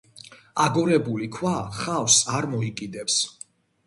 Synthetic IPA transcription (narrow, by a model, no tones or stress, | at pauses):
aɡɔɾɛbulikʰwaχawsaɾmɔikʼid̪ɛps